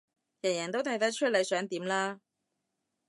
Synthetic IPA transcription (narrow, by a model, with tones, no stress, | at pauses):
jɐ˨˩jɐː˨˩ŋt̪o˥wt̪ʰɐ˨˥jt̪ɐ˥t͡ʃʰɵ˥t̚le˨˧jsœː˨˥ŋt̪iː˨˥mlaː˥